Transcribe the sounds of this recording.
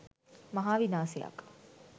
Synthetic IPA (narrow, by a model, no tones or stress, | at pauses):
mɐɦaːʋinaːseja̰k